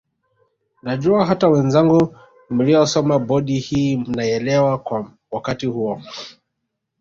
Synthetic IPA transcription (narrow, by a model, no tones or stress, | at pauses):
naʄuaɦatawɛnzaŋɡu | m̩lijɔsɔmaɓɔɗihiːm̩naɛlɛwakwa | wakatihuɔ